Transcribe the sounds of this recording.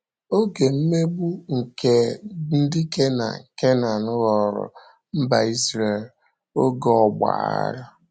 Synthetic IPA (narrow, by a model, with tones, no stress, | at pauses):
o˦ɡe˨m̩˦me˦bu˦ŋ̩˨ke˨n̩˦dɪ˦ke˦na̰˨ŋ̩˨ke˦na˨nʊ˦ɾɔ˨ɾʊ̰˨ | m̩˦ba˨i˦sɾe˨l | o˦ɡɔ˦˨ɡ͡ba̰˨a̰˦ɾa˦